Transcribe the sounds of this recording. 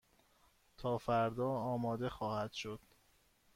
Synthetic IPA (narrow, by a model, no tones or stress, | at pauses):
t̪ʰɒːfæɾd̪ɒːɒːmɒːd̪e̞xɒːhæd̪̥ʃo̞d̪̥